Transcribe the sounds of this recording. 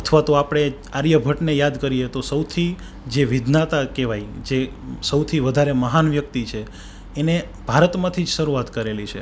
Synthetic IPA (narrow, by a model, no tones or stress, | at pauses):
ət̪ʰʋat̪oapɽ̃e | aɾjəbʱəʈnejad̪kəɾijet̪osəwt̪ʰi | d͡ʒeʋid̪nat̪akeʋajd͡ʒesəwt̪ʰiʋəd̪ʱaɾeməɦanʋjək̚t̪it͡ʃʰeː | ne | b̥ʱaɾət̪mãt̪ʰid͡ʒʃəɾuat̪kəɾelit͡ʃʰḛ